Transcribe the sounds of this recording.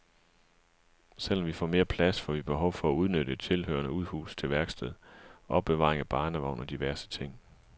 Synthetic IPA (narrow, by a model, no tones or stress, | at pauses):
sel̰ɒ̽mʋifɒ̰ːme̝ːɐpʰlæsfɒ̰ʋib̥e̝ɦɒ̽ʊ̰fɒ̽æuð̞ˠnøɾ̥əe̝d̥̚t͡sʰe̝lhø̰ɐnəuð̞ˠhṵːst͡sʰe̝lʋæɐɡ̥sd̥eð̰ˠʔɒ̽b̥ːe̝ʋɑ̈ːʁeŋæb̥ɑ̈ːnəʋäʊ̰nɒ̽d̥iʋæɐsə̥t͡sʰe̝ŋ̰